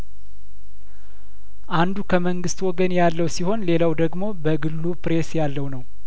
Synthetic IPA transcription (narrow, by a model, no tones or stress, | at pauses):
ʔand̪ukʰəməŋɡɨst̪wɔɡənjalːəwsiho̞nle̞lawd̪əɡmo̞bəɡɨlːupɾe̞sjalːəwnəw